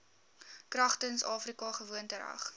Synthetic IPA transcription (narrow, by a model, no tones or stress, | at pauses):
krɐχtənsɑːfrikɑχəvuəntəɾɐ̰χ